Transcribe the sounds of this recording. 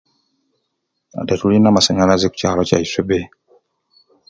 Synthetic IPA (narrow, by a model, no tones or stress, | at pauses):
a̰datulinamasaɲalazeku̥caːloca̰isebe